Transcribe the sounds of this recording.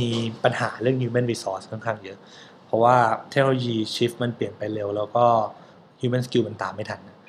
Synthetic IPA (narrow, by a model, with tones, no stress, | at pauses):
iː˧pa˧nhaː˩˦ɾɯ˥˩əŋjuː˧me˥˩nwi˦sɔː˦˥skʰɯ˥˩ŋkʰaː˥˩ŋjɤ˦˥ | pʰɔ˦˥waː˥˩t̪ʰe˦˥k̚no˧o˧jiː˧t͡ɕʰi˦˥fma˧npli˨˩ənpa˧jle˧wlɛː˦˥wkɔː˥˩ | juː˧me˥˨nski˧ma˧nt̪aː˨˩mːa˥˩jt̪ʰa˧nːa˦˥